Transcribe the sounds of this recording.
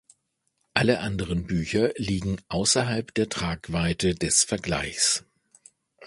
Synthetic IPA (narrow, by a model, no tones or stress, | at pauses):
ʔaləʔandəʁənbyːçɐliːɡŋ̩ʔaʊsɐɦalpd̥eːɐtʁ̥aːkv̥aɪtədɛsfɛɐɡla̰ɪçs